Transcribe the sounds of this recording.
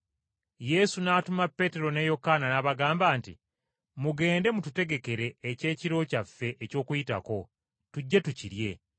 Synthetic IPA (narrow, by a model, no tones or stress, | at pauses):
je̞sunaːtumapːe̞ːte̞ɾo̞ne̞jo̞kananaːβaɡaːmbaːntḭ | muɡe̞ːnde̞mutute̞ɡe̞ke̞ɾe̞ːce̞ːciɾo̞cafːe̞ʔeco̞ːkujita̰ko̞ | tuɟːetuciɾje̞